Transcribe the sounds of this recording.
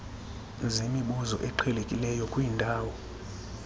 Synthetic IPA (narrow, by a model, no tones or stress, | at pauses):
zemiɓuzɔʔɛǃʰɛlekʼilɛjɔkʼwiːndʱaːwɔ